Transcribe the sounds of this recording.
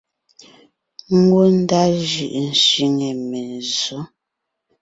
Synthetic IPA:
ŋ̩˦ɡwo˦n̩˦da˦ʒʉ˨ʔn̩˨ʃi˦˨ŋe˨me˨zo˨˦

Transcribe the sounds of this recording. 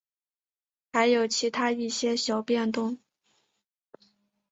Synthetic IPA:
xa˧˥ɪjo˨˩ʊt͡ɕʰi˧˥t̪ʰa˥i˥˩ɕjɛ˥ɕjɑ˧˥ʊpjɛ˥˧nt̪ʊ˥˩ŋ

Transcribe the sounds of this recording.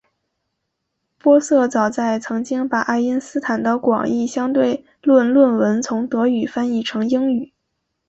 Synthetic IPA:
pwɔ˥sɤ˥˩t͡sɑ˨˩ʊt͡sa˥˩ɪt͡sʰɤ˧˥ŋt͡ɕi˥ŋpa˨˩ʔa˥˩ɪi˥nsɹ̩˥t̪ʰa˨˩nt̪ɑ˧˩kwɑ̰˨˩ŋi˥˩ɕjɑ˥ŋt̪we˥˩˧ɪ | lwə˥˧nlwə˥˩nwə˧˥nt͡sʰʊ˧˥ŋt̪ɤ˧˥y˨˩fa˥ni˥˩ʈ͡ʂʰɤ˧˥ŋi˥ŋy˨˩˦

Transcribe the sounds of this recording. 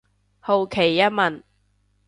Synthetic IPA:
ho˨wkʰe˨˩jːɐ˥t̚mɐ˨˩n

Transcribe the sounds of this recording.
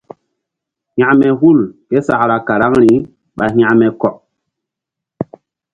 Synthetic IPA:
hã˨mɛ˨hu˦˨lke˦sa˨kɾa˨ka˨ɾa˦ŋɾi˨ | ɓa˨ɦã˦˨mɛ˨kɔ˨p̚

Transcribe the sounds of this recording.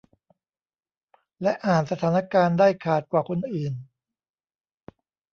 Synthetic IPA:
lɛ˦˥ʔaː˨˩nsa˧t̪ʰaː˩˦na˦˥˧kaː˧ndaː˥˩jkʰaː˨˩t̪̚kwaː˨˩kʰo˧nʔɯː˨˩n

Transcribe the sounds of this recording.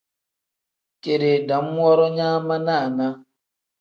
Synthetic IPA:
ke˨ɾe˨da˨m̩˦mʷwʷɔ˦ɾɔ˦ɲa˦ma˦na˦a˨na˦

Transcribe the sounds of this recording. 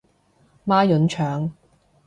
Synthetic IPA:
maː˥jɵ˨˥nt͡ʃʰœː˨ŋ

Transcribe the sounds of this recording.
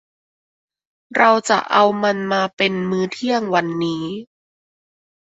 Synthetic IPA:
ɾa˧wt͡ɕa̰˨˩ʔa˧wma˧nmaː˧pe˧nmɯː˧˥t̪ʰi˥˩əŋwa˧nːiː˦˥

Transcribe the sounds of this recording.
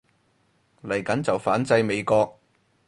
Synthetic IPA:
lɐ˨˩jkɐ˨˥nt͡sɐ˨wfaː˨˥nt͡sɐ˧jme˨˧jkɔː˧k̚

